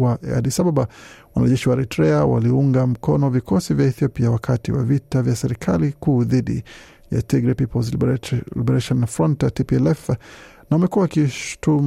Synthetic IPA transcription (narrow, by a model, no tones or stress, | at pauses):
aʔɛ̰a̰disababawanaʄɛʃiwaɾɛtɾɛawa̰liuŋɡam̩kɔnɔvikʰɔsivjaiθiɔpiawakʰatiwa̰vitavjasɛɾikʰalikuːðiɗḭ | ja̰tiɡɾipipɔlzllibɛɾaʃɔnfɾɔntatipiɛlɛf | naamɛkuwaakiʃu̥tum